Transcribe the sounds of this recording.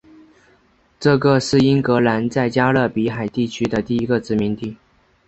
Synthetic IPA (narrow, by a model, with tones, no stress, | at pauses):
ʈ͡ʂɤ˥˩ɡə˧ʂɻ̩˥˩i˥nkɤ˧˥la˧˥nt͡sa˥˩ɪt͡ɕja˥lə˥˩pi˧˥xa˨˩ɪt̪i˥˩t͡ɕʰy˥d̪ə˨t̪i˥˩i˧˥ɡə˧ʈ͡ʂɻ̩˧˥mi˧˥nt̪i˥˩